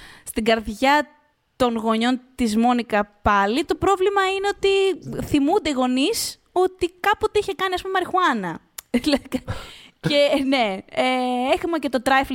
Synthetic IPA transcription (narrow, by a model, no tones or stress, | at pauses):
st̪iɡɐɾðʝɐ | t̪o̞nɣo̞ɲo̞nt̪izmo̞nikɐpɐlit̪o̞pɾo̞vlimɐineo̞t̪iθimund̪e̞ɣo̞nis | o̞t̪ikɐpot̪eiçekɐniɐspumɐɾixuɐnɐ | lekɐcene̞eexumɐcet̪o̞t̪ɾɐjfl